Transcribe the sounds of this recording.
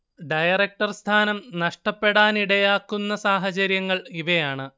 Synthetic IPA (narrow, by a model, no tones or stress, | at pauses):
ɖɐjɐrek̚ʈɐrst̪ʰaːnɐmnɐʂʈɐpːe̞ɽaːniɽɐjaːkːunːɐsaːɦɐt͡ɕɐɾjɐŋːɐɭiʋɐjaːɳɨ